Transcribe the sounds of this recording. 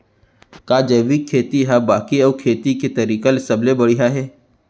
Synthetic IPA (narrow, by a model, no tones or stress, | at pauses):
kaːd͡ʒɐʋikʰːeːt̪iɦabaːkiəːkʰeːt̪iket̪ɐɾiːkalɪsɐblebɐɽiɦaɦɛː